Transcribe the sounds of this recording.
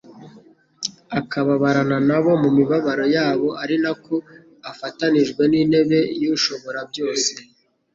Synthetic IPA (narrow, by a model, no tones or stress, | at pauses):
akʰaβaβaɾananaβo̞mumiβaβaɾojaːβo̞ʔaɾinako | afataniʒɡwe̞nine̞βe̞juʃo̞βo̞ɾabjo̞ːse̞̥